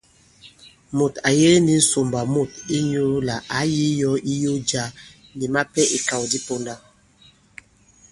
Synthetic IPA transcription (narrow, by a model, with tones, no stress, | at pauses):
mo˨ta˨je˦ni˨n̩˦so˨mba˨mo˦˨ti˦ɲo˦la˨ʔa˨˦ji˦jɔ˦i˦jo˦d͡ʒa˦ | ni˨ma˦pɛ˦ʔi˨ka˨wdi˦po˦nda˦